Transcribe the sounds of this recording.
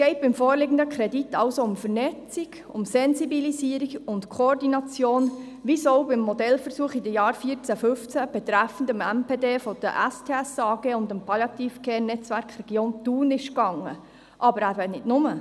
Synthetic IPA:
sɡ̥ɛɪt̚b̥ɪmfoːɾlɪɡən̩d̪əkʰɾɛdit̪ːɑwsoʊmfəɾnɛt͡siɡ | ʊmsɛnzibilisiːəɾiɡʊntkʰoɔrdinɑt͡sjoːn | ʋisoʊbɪmːɔd̪ɛlfəɾsuəχidəjɑːɾfiət͡sæfɵft͡sæb̥ɛt̪ɾæfən̩dəmɛmpeːdeːfɔd̥ə̰ʔæstʰeːɛsɑːɡ̥eːʊnd̪əmpʰɑljɑt̪iːfkʰeːnɛt͡sʋæɾkχrɛɡ̥joːnt̪uːnɪʃkɑŋːə̰ | ʔɑbəɾæɾvɛnɪdnʊmə

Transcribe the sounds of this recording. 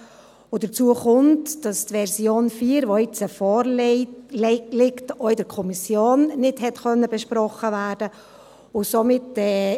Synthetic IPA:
odət͡suːəχʊntd̥ɑstʋɛɾsjoːnfiːɾʋoɪt͡səfɔːɾlɛlɪktoɪdəɾkʰɔmisjoːnnɪdhɛtχœnːəbɛʃprɔχəvæːdə | ʊsomɪtɛː

